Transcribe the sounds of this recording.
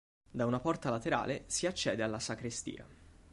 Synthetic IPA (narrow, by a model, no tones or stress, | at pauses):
d̪aunapɔrt̪alat̪eɾa̰ːlesiat͡ʃːɛːd̪ealːasakɾist̪ḭːa̰